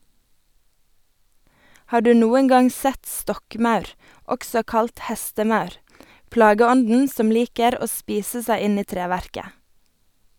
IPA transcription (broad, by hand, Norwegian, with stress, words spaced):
ˈhɑːʁ ˈdʉː ˈnuːəŋ ˈɡɑŋ ˈsɛt ˈstɔkˌmɑʉɾ ˈɔksɔ ˈkɑlt ˈhɛstəˌmɑʉɾ ˈplɑːɡəˌɔndn̩ ˈsɔm ˈliːkəɾ ˈoː ˈspiːsə ˈsæɪ ˈɪn ˈiː ˈtɾeːˌʋæɾkə